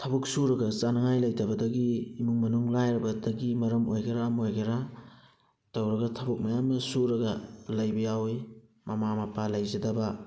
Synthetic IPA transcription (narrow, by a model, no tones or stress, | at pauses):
tʰɐbɐk̚suɾɐɡɐzanɐŋajlɐjdɐbɐdɐɡiːmuŋmɐnuŋlajɾɐbɐdɐɡimɐɾɐmojɡɐɾaːmojɡɐɾa | tɐwɾɐɡɐtʰɐbɐk̚mɐjamːɐsuɾɐɡɐlɐjbɐjawi | mɐmamɐpʰalɐjzɐdɐbɐ